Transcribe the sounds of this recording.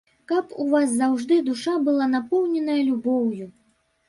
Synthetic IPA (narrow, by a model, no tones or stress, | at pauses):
kɐpuvaszawʐd̪ɨd̪uʂabɨlˠanapɔwnʲɛnɐjɐlʲubɔwju